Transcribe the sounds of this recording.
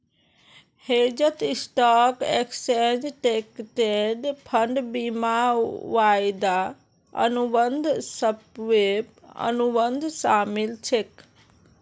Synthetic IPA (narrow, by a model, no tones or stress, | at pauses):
hed͡ʒət̪isʈakeksend͡ʒʈekʈeɖpʰəɳɖbimaʋajd̪a | ə̰nubənd̪ʱsəbʋepə̰nubənd̪ʱsaːmilt͡ʃʰek